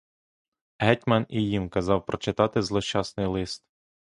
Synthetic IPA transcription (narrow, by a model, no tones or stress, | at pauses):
ɦɛtʲmɐnijimkɐzɑwpɾɔt͡ʃɪt̪ɑt̪ɪzlˠɔʃt͡ʃɑsnɪjlˠɪst̪̚